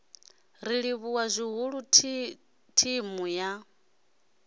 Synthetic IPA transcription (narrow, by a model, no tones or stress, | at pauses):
ɾiɺiβuwazʷiɦuɺu | tʰimuja